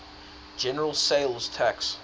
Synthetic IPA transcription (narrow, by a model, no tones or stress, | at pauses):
d̥ʒ̥ɛnə˞l̩ˠseɪlˠz̥tʰæks